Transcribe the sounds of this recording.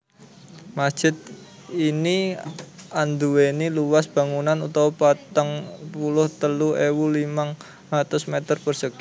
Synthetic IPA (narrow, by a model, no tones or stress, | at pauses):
masd̥ʒ̥ɪ̤t̪̚ | ini | and̪uweniluwasb̥a̤ŋunanut̪aupat̪əŋpulʊht̪əluewulimaŋ | lat̪ʊsmet̪ərpərsək